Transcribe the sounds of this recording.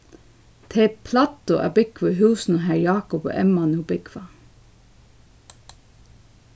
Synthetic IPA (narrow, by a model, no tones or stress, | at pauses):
t̪ʰeːpʰlɑːt̪ʊʔæ̰ːbɪkʋəɦʉːsn̩oɦæːɹjɑːkɔpo̰ːʔɛmɑnubɪkʰʋɑ